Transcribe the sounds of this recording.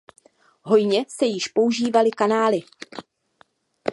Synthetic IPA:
ɦo̞jɲɛsɛjɪʃpo̞uʒiːvalɪkanaːlɪ

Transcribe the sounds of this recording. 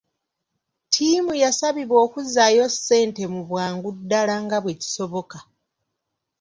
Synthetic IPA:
tʰiːmujasaβiβo̞ːkuzajo̞sːe̞ːnte̞muβwaːŋɡudːalaŋɡaβweci̥so̞βo̞ka

